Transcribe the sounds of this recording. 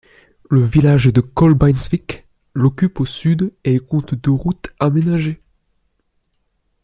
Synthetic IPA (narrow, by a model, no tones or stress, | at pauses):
ləvilaʒd̪əkɔlbajnsvik | lɔkʲyposyd̪eɛlkɔ̃t̪d̪əʁut̪amenaʒe